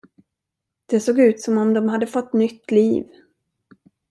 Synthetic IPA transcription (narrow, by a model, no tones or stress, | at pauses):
d̪̥ɛsoːɡʉ̟ːt̪sɔmɔmd̪ɔmhad̪ːəfɔt̪ːnʏt̪ːliːv